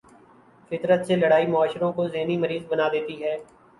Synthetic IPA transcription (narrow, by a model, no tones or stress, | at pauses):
fɪt̪ɾət̪selɐɽaːimʊaːʃɾõkozeːnimɐɾiːzbɐnaːd̪eːt̪iɦɛː